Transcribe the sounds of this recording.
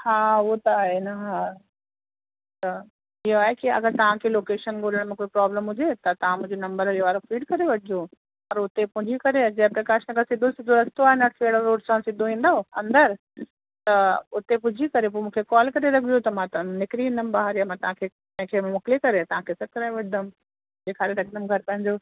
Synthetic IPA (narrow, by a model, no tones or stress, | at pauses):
haːot̪ɐaːɦenɐɦa | t̪ɐ | ɪɦoaːɦekiɐ̰ɡəɾt̪ɐʋ̤ãkʰeːloːkeːʃənɡoːləɽ̃mẽkoːipɾaːbləmɦʊd͡ʑʱet̪ɐt̪ɐʋ̤ãmũɦɲd͡ʑonɐ̃mbəɾiʋaːɾofiːɖkɐɾeʋɐʈʰɪd͡ʑo | pɐɾʊt̪epʊ̃ɦd͡ʑʱikɐɾed͡ʑɐ̃ɦpɾɐkaːʃənəkʰãsɪd̪ʱosɪd̪ʱoɾɐst̪oaːɦɪnɐʈkeːɽəɾoːɖsãsɪd̪ʱoʋĩːnd̪aoɐ̃nd̪əɾ | t̪ɐʊt̪epʊd͡ʑʱikɐɾep̬oːmũːkʰekɔːlkɐɾeɾɐɡʰʱjot̪ɐmãt̪nɪkɾiɦɪ̃nd̪əmbaɦaɾjamãt̪ɐʋãkʰe | ɐ̃ɦɪ̃kʰeːmʊkɪlekɐɾet̪ɐʋãkʰeːsɐkɾaːʋɐd̪ʱəm | d͡ʑeːkʰaːɾeɾɐɡnəmɡʱɐɾpɐ̃ɦɪ̃ɲd͡ʑoː